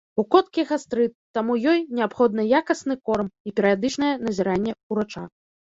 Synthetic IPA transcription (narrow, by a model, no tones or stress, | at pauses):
ukɔt̪̚kʲiɣast̪ɾɨt̪ːamujɔjnʲɛapxɔd̪nɨjakɐsnɨkɔrmipʲɛɾɨjad̪ɨt͡ʂnɐjɛnɐzʲɛɾanʲːɛuɾat͡ʂa̰